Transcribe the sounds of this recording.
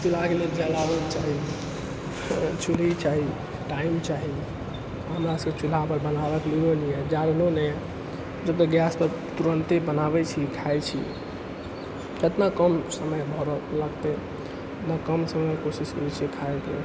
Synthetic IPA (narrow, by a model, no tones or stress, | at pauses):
t͡ʃulakeled͡ʒalabəkt͡ʃaɦi | t͡ʃulit͡ʃaɦi | ʈaimt͡ʃaɦi | ɦəmɾasəket͡ʃul̤apəɾbənabəklioniɛd͡ʒaɾnonəɛ | d͡ʒəbt̪əɡjaspəɾ | t̪uɾənt̪ebənaβɛt͡ʃʰikʰaet͡ʃʰḭ | et̪nakəmsəməjbʱɔɾələɡt̪ɛ | nakəmsəməjkosiskəɾɛt͡ʃʰikʰajet̪ḛ